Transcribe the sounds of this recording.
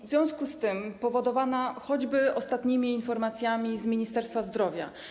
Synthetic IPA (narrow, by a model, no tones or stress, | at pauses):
vzʲjɔ̃w̃skust̪ɘmpɔvɔd̪ɔvanaxɔd͡ʑbɘɔst̪at̪ɲimʲiːnfɔɾmat̪sʲjamʲizmʲiɲist̪ɛɾst̪fazd̪ɾɔvʲja̰